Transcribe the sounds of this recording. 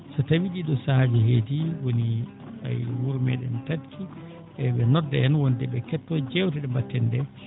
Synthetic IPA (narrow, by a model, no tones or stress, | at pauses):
satawiɗiɗɔsad͡ʒɛhed͡ʒiwoni | a̰jwuɾmɛ̰ɗɛ̰ntatkʰi | ʔɛɓɛnɔdːɛ̰ɛnwɔndɛɓɛkɛtːɔd͡ʒɛwtɛɗɛmbatːɛndɛ